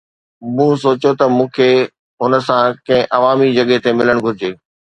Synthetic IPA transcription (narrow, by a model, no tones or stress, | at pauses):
mũːsoːt͡ɕot̪ɐmũːkʰe | ɦʊnəsãkɐ̃ɦɪ̃ʔɐʋaːmid͡ʑɐɠet̪emɪləɽ̃ɡʱʊɾɪd͡ʑeː